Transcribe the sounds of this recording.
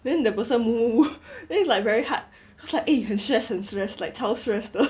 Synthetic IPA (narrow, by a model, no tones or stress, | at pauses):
dɛ̃ndəpəsə̃nmumuudɛ̃slaɪkvɛɹiha̰t̚ | ikwɔslaɪkʔejɛ̃nstɹɛshə̃nstɹɛslaɪk̚tʰɛʊstɹɛsdo